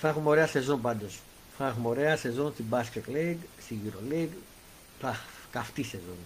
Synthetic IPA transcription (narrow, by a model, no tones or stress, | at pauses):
θxumo̞ɾeɐse̞zonpɐnd̪os | fɐnxumo̞ɾeɐse̞zonst̪ibasket̪leɡst̪iʝiɾoleɡ | θɐ | kɐft̪isezon